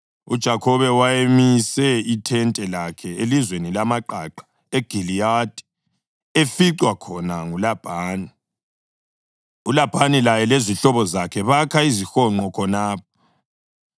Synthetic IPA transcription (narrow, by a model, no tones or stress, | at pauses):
ud̥ʒ̥ʱakʰɔβɛwajemisɛitʰɛntʼɛlakʰɛelizwenilamaǃaǃḁ | eɡ̥ʱilijad̥ʱʼi̥ | efiǀwakʰɔnaŋulab̥ʱaːni | ulab̥ʱanilajɛleziɬɔβɔzakʰɛβakʰaizixɔŋ͡ǃɔkʰɔnaːp̚ʰɔ̥